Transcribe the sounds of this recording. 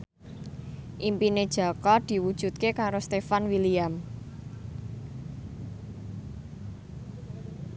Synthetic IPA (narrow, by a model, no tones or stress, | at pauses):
ʔimpined̥ʒ̥a̤kɔd̪̥i̤wud̥ʒ̥ṳt̪̚kekaɾost̪efanwiliam